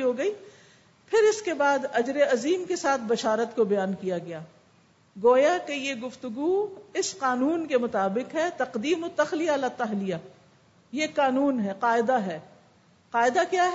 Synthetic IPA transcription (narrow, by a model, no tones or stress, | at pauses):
ɦoɡɐiː | pʰɪɾɪskebaːd̪ɐd͡ʒɾeɐziːmkesaːt̪̚ʰbɐʃaːɾət̪kobɐjaːnkijaɡɐjaː | ɡoːjakejeɡʊft̪ʊɡuɪsqaːnuːnkemʊt̪aːbɪqɦɛt̪ɐqd̪iːmot̪ːɐxlijalat̪ɐɦlija | jeqaːnuːnɦɛqaːɪd̪aɦɛː | qaːɪd̪akjaːɦ